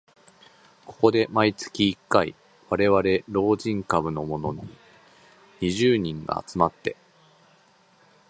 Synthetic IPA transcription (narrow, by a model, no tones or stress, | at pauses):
ko̞̥ko̞d̪e̞mait͡sɨ̥kʲiːkːaḭ | βaɾe̞βaɾe̞ɾo̞ːʑĩŋkabɯ̟no̞mo̞no̞ɲ̟i | ɲiʑɨːɲ̟ĩŋɡa̰ːt͡sɨmat̪ːe̞